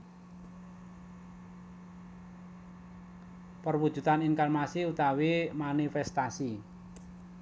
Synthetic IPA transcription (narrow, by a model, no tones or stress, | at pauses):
pərwud̥ʒ̥ṳt̪anɪŋkalmasɪut̪awemanifɛst̪asi